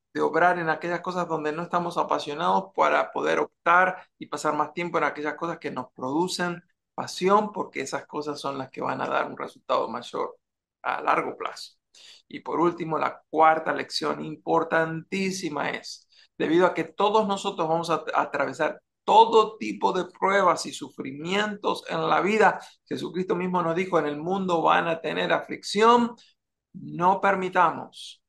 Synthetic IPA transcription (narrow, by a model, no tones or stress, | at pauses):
d̪̥eo̞βɾaɾe̞nake̞ʝasko̞sazðo̞nd̪e̞no̞est̪amo̞sapasjo̞nað̞o̞spaɾapo̞ðe̞ɾo̞p̚t̪aɾipasaɾmast̪je̞mpo̞e̞nake̞ʝasko̞saske̞no̞spɾo̞ðusen | pasjo̞mpo̞ɾkeesasko̞sasːo̞nlaske̞βa̰na̰ða̰ɾunresult̪aðo̞̰maʒo̰ɾ | a̰la̰ɾɣo̞pla̰so̥ | ipo̞ɾult̪imo̞la̰k̚waɾt̪ale̞ksjo̞nimpo̞ɾt̪ant̪isima̰e̞̰s | d̪̥e̞β̞iðoake̞t̪o̞ðo̞zno̞so̞t̪ɾozβamo̞s̬aa̰t̪ɾaβe̞saɾ | t̪o̞ðo̞t̪ipo̞ðe̞pɾwe̞β̞asisufɾimje̞nt̪o̞se̞̰nla̰βiðaxe̞sukɾist̪o̞mizmo̞nozðixo̞ene̞lmũnd̪o̞βa̰nat̪e̞ne̞ɾafliksjo̞n | no̞pe̞ɾmit̪amo̞̰s